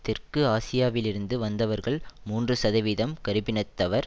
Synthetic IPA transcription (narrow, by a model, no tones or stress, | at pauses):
t̪ːɪrkɯaːsɪjaːʋɪlɪɾɯnd̪ɯʋɐnd̪ɐʋɐɾɣɐɭmuːndrɯsɐðɐʋiðɐmkɐɾɯpɪnɐt̪ːɐʋɐɾ